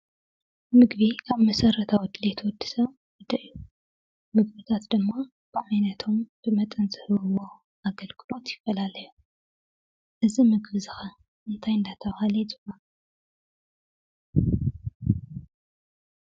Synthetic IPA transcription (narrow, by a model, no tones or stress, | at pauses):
mɨɡβikʰaβmɐsɐɾɐt̪ʰawɔd̪ɨlet̪ʰwɔd̪ːɨ̥sɐβ | wɔd̪ɐʔiju | mɨɡβɨt̪ʰat̪d̪ɨmːa | b̥ɨʕajnɐt̪ʰo̞mb̥ɨmɐt̪ʼɐnzɨhɨβɨwo | ʔaɡɐlɡɨlo̞t̪jɪfːɐlalɐju | ʔɨzimɨɡβizɨxɐ | ʔɨnt̪ʰajɨnd̪at̪ʰɐβhalizʼɨmːa